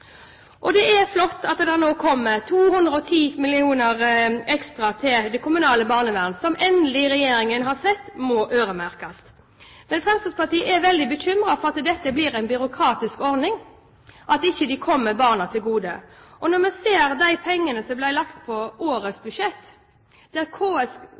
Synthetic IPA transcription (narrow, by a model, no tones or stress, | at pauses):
ʔɔd̪ɛɛɾflɔt̪ːɑt̪d̪ɛɾnoːkʰɔmːət̪ʰuːhʉnd̪ɾəɔt̪ʰiːmɪlɪuːnəɾɛkst̪ɾɑt̪ʰɪld̪ɛkʰʊmʉnɑːləbɑːʁnəʋæːʁnsɔmʔɛnd̪lɪɾɛjeːɾɪŋənɦɑɾsɛt̪ːmɔʔøːɾəmæɾkɑst̪ | mɛnfɾɛmst̪ɑspɑʁt̪iːəʔɛɾʋɛld̪ɪbəɕʏmɾɑfɔɾɑt̪d̪ɛt̪ːəbliːɾæɪnbʏɾʊkʰɾɑːt̪ɪskɔɾnɪŋ | ʔɑt̪ɪçːəd̪ɪkʰɔmːəbɑːʁnɑt̪ʰɪlɡuːd̪ə̰ʔɔnɔɾmɛseːɾd̪æɪpʰɛŋːənəsɔmblæɪlɑkt̪pʰɔʔoːɾəsbʉʂɛt̪ː | d̪̥ɛɑt̪kʰoːɛs